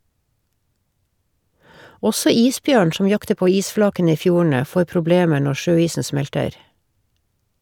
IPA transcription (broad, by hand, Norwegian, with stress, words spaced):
ˈɔsɔ ˈiːsˌbjøːɳ ˈʃɔm ˈjɑktə ˈpoː ˈiːsˌflɑːkənə ˈiː ˈfjuːɳ̩ə ˈfoːɾ pɾʊˈbleːmə ˈɳɔ ˈʃøːˌiːsn̩ ˈsmɛltəɾ